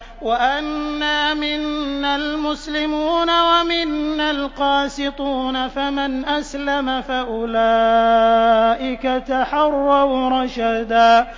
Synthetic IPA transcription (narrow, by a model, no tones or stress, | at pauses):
waʔanːaːmɪnːalmʊslɪmuːnawamɪnːalqɑːsɪt̪ˤuːnafamanʔaslamafaʔʊlaː | ʔɪkat̪aħɑrˤːɑwɾˤɑʃad̪aː